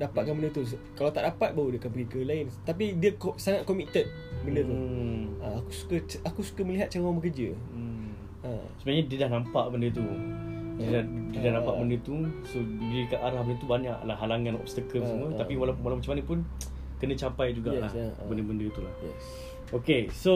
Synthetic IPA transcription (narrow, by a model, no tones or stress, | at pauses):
dapat̪̚kanbəndət̪us̬kalawt̪aʔdapat̪̚baudiəkanpəɡikəlaɪnt̪ap̬idiəksaŋat̪̚kɔmit̪ət̪̚ | bəndət̪uəakusu̥kəakusu̥kəməliɦat̪̚t͡ʃawabəkəd͡ʒə | ə | səbajaʔɲadiədahnãmpaʔbəndət̪̬udiədadiədahnãmpaʔbəndət̪usodikaʔaɾahbəndət̪ubaɲaʔlahɦalaŋãnɔ̰bst̪akəsəmət̪apiwalapnwalawmat͡ʃamanə̃pʊn | kənə̃t͡ʃapajd͡ʒuɡaʔɛbəndəbəndət̪ula̰hɛ̰s | okeso